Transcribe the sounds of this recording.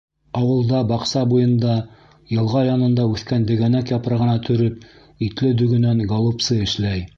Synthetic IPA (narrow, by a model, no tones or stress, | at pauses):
ɑwɤ̆lˠd̪ɑbɑqsɑbujɤ̆nd̪ɑ | jɤ̆lˠʁɑjɑnɤ̆nd̪ɑʉθkænd̪ɘ̆ɡænækjɑpɾɑʁɤ̆nɑt̪ʰɵ̆ɾɵp | it̪lɘd̪ɵ̆ɡɵ̆næŋɡolˠupsɤɘ̆ʃlæj